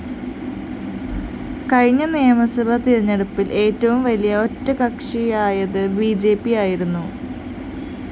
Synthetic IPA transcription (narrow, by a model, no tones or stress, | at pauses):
kɐɻɲːɐneːmɐsɐbɐt̪iɻiɲːɐɽupːilʔe̞ːtːɐʋumʋɐlijɐo̞tːɐkɐkʂijaːjɐðɨbiːd͡ʑe̞ːpːijaːjiɾunːu